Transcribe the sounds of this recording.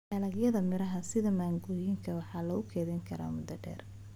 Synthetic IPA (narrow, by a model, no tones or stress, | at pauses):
ɛlɐɡjɐðɐmɪɾɐɦɐsɪðɐmaːŋɡɔːjɪŋkʰɐwɑħɑːlɐʊkʰɛːðɛŋkʰɐɾa̰ːmʊd̪ɐɖɛ̰ːr